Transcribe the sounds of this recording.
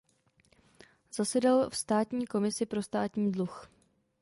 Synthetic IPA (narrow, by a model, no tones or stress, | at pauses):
zasɛdɛlfst̪aːt̪ɲiːko̞mɪsɪpɾo̞st̪aːt̪ɲiːdlux